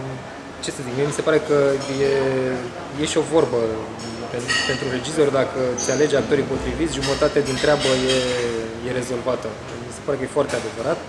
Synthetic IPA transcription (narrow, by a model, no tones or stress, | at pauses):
t͡ʃe̞sezikmemise̞paɾe̞kəje | je̞ʃio̞vo̞rbə | penpe̞nt̪ɾuɾe̞d͡ʒizo̞rʲd̪akəseale̞d͡ʒak̚t̪o̞ɾipo̞t̪ɾivit̪sʲʒumət̪at̪ead̪int̪ɾʲeabəjeje̞ɾe̞zo̞lvat̪ə | mise̞paɾe̞kəje̞foart̪ead̪e̞vəɾat̪